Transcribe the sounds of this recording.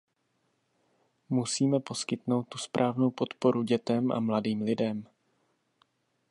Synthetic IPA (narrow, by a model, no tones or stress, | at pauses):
musiːmɛpo̞skɪt̪no̞wt̪̚ːu̥spɾʔaːvno̞wpo̞t̪po̞ɾuɟɛt̪ɛmʔa̰mladiːmlɪdɛm